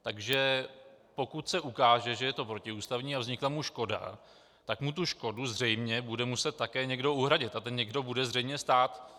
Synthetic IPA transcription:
t̪aɡʒɛpo̞kut̪sɛʔukaːʒɛʒɛjɛt̪o̞pɾo̞cɪuːst̪avɲiːavzɲɪklamuʃko̞da̰ | t̪akmut̪̬uʃko̞duzr̝ɛjmɲɛbudɛmusɛt̪̚tːakɛːɲɛɡdo̞ʔuɦɾaɟɪt̪at̪ɛɲɲɛɡdo̞budɛzrɛjmɲɛst̪aːt̪

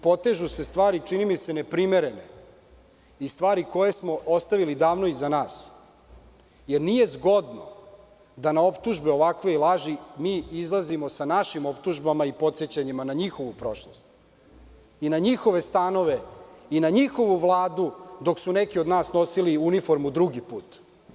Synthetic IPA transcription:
po̞t̪eʒuse̞st̪ʋaːɾit͡ʂinimise̞nepɾimeɾe̞ne | ist̪ʋaːɾiko̞jesmo̞ost̪aʋilid̪aːʋno̞izanaːs | jeɾnije̞zɡo̞d̪no̰ | d̪anao̞pt̪uʒbeo̞ʋakʋe̞ilˠaʒimiːizlˠazimo̞sanaʃimo̞pt̪uʒbamaipo̞t̪set͡ɕaɲimanaɲixo̞ʋupɾo̞ʃlost̪ | inaɲixo̞ʋe̞st̪ano̞ʋe̞inaɲixo̞ʋuʋlˠaːd̪ud̪o̞ksunekiod̪naːsno̞siliunifo̞ɾmud̪ɾuɡipuːt̪

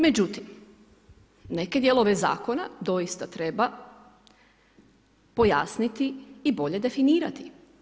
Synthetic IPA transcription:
me̞d͡ʑut̪im | ne̞ke̞d̪je̞lˠo̞ʋe̞za̰ːko̞na̰d̪o̞jist̪at̪ɾe̞ba | po̞ja̰snit̪iːbo̞ʎe̞d̪e̞finiːɾat̪i

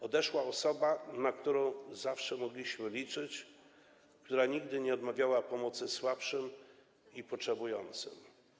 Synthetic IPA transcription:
ɔd̪ɛʂwaɔsɔbanakt̪uɾɔ̃w̃zafʂɛmɔɡlʲiɕmɘlʲit͡ʂɘt͡ɕ | kt̪uɾaɲiɡd̪ɘɲɛɔd̪mavʲjawapɔmɔt̪sɘswapʂɘm | ipɔt͡ʂʂɛbujɔnt̪sɘ̰m

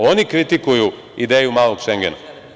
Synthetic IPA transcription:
o̞nikɾit̪ikuju | id̪eːjumaːlˠoɡʃeŋɡena̰

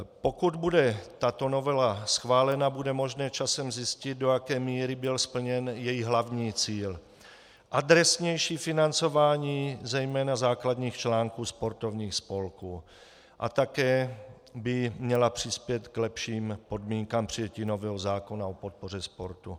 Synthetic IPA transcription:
po̞kud̪budɛt̪at̪o̞no̞vɛlasxvaːlɛnabudɛmo̞ʒnɛːt͡ʃasɛmzɪscɪt̪̚dojakɛːmiːɾɪbɪlspl̩ɲɛnjɛjiɦlavɲiːt͡siːl | ʔad̪ɾɛsɲɛjʃiːfɪnant͡so̞vaːɲiːzɛjmɛːnazaːklad̪ɲiːxt͡ʃlaːŋkuːspo̞ɾt̪o̞vɲiːxspo̞lkuː | ʔa̰t̪akɛː | bɪmɲɛlapr̥ɪspjɛt̪klɛpʃiːmpo̞dmiːŋkampr̝̥ɪjɛciːno̞vɛːɦo̞zaːkonao̞po̞t̪̚po̞r̝ɛspo̞ɾt̪u

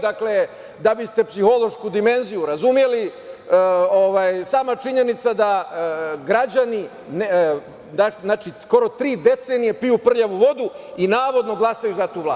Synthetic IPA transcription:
d̪akle | d̪abist̪e̞psixo̞lo̞ʃkud̪ime̞nzijuɾazumje̞li | oʋaːjsaːmat͡ʃiɲe̞nit̪sad̪a | ɡɾad͡ʑani | n | anaːt͡ʃisko̞ɾo̞t̪ɾiːd̪e̞t̪seːnijepijupr̩ʎaʋuʋo̞d̪u | inaːʋo̞d̪no̞ɡlˠasajuzat̪uːʋla̰ː

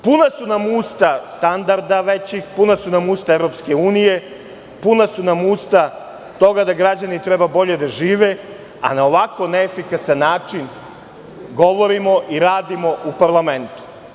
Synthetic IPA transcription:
punasunamust̪ast̪and̪aɾd̪aʋet͡ɕixpunasunamuːst̪aeʋɾo̞p̪ske̞uːnije̞ | punasunamuːst̪a | t̪o̞ɡad̪aɡɾad͡ʑanit̪ɾebabo̞ʎe̞d̪aʒiːʋe̞ | a̰naoʋako̞neefikasanːaːt͡ʂin | ɡo̞ʋo̞ɾimo̞ʔiɾaːd̪imo̞ʔupaɾlˠame̞nt̪u̥

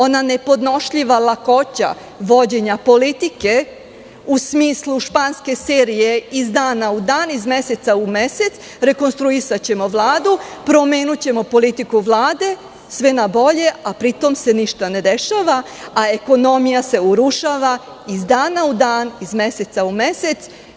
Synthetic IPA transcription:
o̞nane̞po̞d̪no̞ʃʎiʋalako̞t͡ɕa̰ | ʋo̞d͡ʑe̞ɲapo̞lit̪ike̞ | usmiːslˠuʃpanske̞seːɾije̞izd̪aːnaud̪aːnizme̞se̞t̪saumese̞t̪s | ɾe̞ko̞nst̪ɾuisat͡ɕe̞mo̞ʋlˠaːd̪upɾo̞me̞ːnut͡ɕe̞mo̞po̞lit̪ikuʋlˠaːd̪e̞ | sʋenabo̞ʎe̞apɾit̪o̞mse̞niʃt̪ane̞d̪e̞ʃaʋa | ae̞ko̞no̞mijase̞uɾuʃaʋa | izd̪aːnaud̪aːnizme̞set̪saume̞se̞t̪s

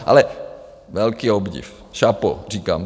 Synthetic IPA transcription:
ʔa̰lɛ | ʋɛlkiːɔbɟḭf | ʃapɔ̰riːka̰m

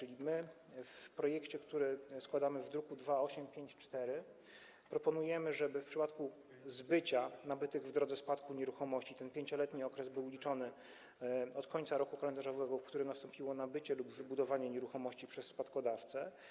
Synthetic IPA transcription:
t͡ʂɘlʲimɘ | fpɾɔjɛkt͡ɕɛkt̪uɾɘskwad̪amɘvd̪ɾukud̪vaɔɕɛmpʲjeɲt͡ɕt͡ʂt̪ɛɾɘ | pɾɔpɔnujɛmɘʐɛbɘfpʂɘpat̪ku | zbɘt͡ɕanabɘt̪ɘɡvd̪ɾɔd̪zɛspat̪kuɲɛɾuxɔmɔɕt͡ɕit̪ɛnpʲjeɲt͡ɕɔlɛt̪ɲiɔkɾɛzbɘwlʲit͡ʂɔnɘ | ɔt̪kʰɔɲʲt̪saɾɔkukalɛnd̪aʐɔvɛɡɔfkt̪uɾɘmnast̪ɔmpʲiwɔnabɘt͡ɕɛlubvɘbud̪ɔvaɲɛɲɛɾuxɔmɔɕt͡ɕipʂɛsːpat̪kɔd̪aft̪sɛ

